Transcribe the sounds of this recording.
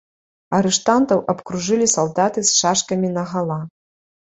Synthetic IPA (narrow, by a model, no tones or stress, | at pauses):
ɐɾɨʂt̪ant̪ɐwʔɐpkɾuʐɨlʲisalˠd̪at̪ɨsʂaʂkɐmʲinɐɣalˠa